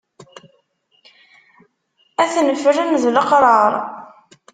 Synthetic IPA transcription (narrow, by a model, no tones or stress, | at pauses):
æθnəfəɾænðləqɾˤɑɾˤ